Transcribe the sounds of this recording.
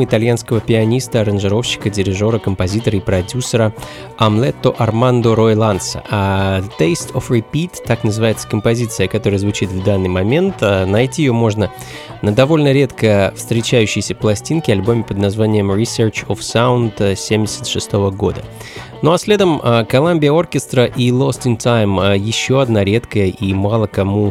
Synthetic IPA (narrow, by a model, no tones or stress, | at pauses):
ɪt̪ɐlʲjanskəvəpʲɪɐnʲist̪əɐɾənʐɨɾo̞fɕːɪ̥kədʲɪɾʲɪʐo̞ɾəkəmpɐzʲit̪əɾəipɾɐdʲusəɾə | ɐmlˠɛt̪ːoʔɐrmand̪ʊɾojlˠant̪sə̰at̪ejst̪ʰofɾʲɪpʲit̪ːaknəzɨvajɪt̪sə̥kəmpɐzʲit̪sɨjəkɐt̪o̞ɾɨjəzvʊt͡ɕit̪vd̪anːɨjmɐmʲe̞nt̪ənɐjtʲiɪjomo̞ʐnə | nəd̪ɐvo̞lʲnəɾʲe̞t̪kəfst̪ɾʲɪt͡ɕæjʉɕːɪjsʲəfplˠɐsʲtʲinkʲɪɐlʲbo̞mʲɪpəd̪nɐzvanʲɪjəmɾʲɪsʲert͡ɕofsaʊnt̪sʲemʲdʲɪsʲə̥t̪ʂɨst̪o̞vəɡo̞̰d̪ə | noɐsʲlʲe̞d̪əməkɐlˠamʲbʲɪjəo̞rkʲɪst̪ɾəʔilˠo̞st̪ɪnʲt̪ajməjɪɕːo̞ɐd̪naɾʲe̞t̪kəjəʔimalˠəkɐmu